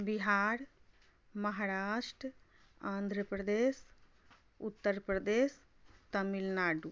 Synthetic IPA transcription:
biɦaːɾ | mɐɦaːɾaːʃʈɾ | ãːnd̪ʱɾəpɾəd̪eːs | ʊt̪ːəɾpɾəd̪eːs | t̪ɐmilnaːɖu

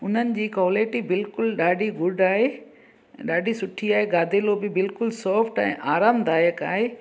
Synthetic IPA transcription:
ʊn̤ənɪ̆d͡ʑiːkoːleːʈibɪlkʊlɗaːɖʱiɡʊɖaːɦe | ɗaːɖʱisʊʈʰiaːɦeɡaːd̪ʱelobɪbɪlkʊlsɔːfʈɛ̰̃ːʔaːɾaːmd̪aːjəka̰ːɦe

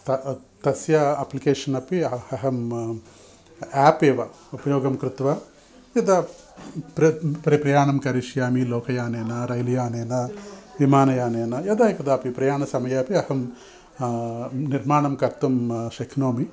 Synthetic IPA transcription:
t̪ɐ | t̪ɐsjɐɐplikeːʂɐnɐpiɐhɐɦɐm | aːpeːʋɐ | upɐjoːɡɐmkɾɪt̪ʋɐ | jɐd̪ɐ | pɾɐpɐɾɐpɾɐjaːɳɐmkɐɾiʃjaːmiloːkʰɐjaːneːnɐɾɐjlijaːneːnɐʋimaːnɐjaːneːnɐjɐd̪ɐikɐd̪aːpipɾɐjaːɳɐsɐmɐjɐɐpiɐhɐm | niɾmaːɳɐmkɐɾt̪ɐmʃɐkʰnoːmi

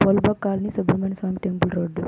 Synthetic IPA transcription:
polbakːaːlɐnisɐbɐɾmensʋaːmiʈɛmbəlɾoːɖ

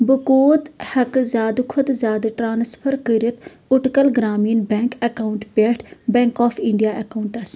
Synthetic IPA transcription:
bəkoːt̪hɐkzaːd̪kʰʊd̪zaːd̪ʈɾaːnspʰəɾkəɾət̪ʰ | ʊʈkəlɡɾaːmiːnbɛ̃ːŋkɐkaːʊɳʈbeːʈʰbɛ̃ːŋkaːpʰɪɳɖijaːʔekaʊɳʈɐs

